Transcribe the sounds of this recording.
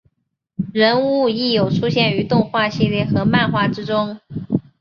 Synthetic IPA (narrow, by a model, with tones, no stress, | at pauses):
ɻə˧˥nu˥˧i˥˩jo˨˩ʊʈ͡ʂʰu˥ɕjɛ˥˩ny˧˥t̪ʊ˥˧ŋxwa˥˧ɕi˥˧ljɛ˥˩xɤ˧˥ma˥˧nxwa˥˩ʈ͡ʂɻ̩˥ʈ͡ʂʊ˥ŋ